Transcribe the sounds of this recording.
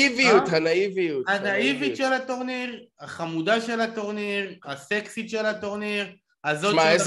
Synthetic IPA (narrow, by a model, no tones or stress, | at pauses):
ivijut̪hanaivijuthanaivit̪ʃelat̪o̞ʁniʁaχamud̪aʃe̞lat̪o̞ʁniʁhaseksit̪ʃe̞lhat̪o̞ʁniʁ | azo̞mae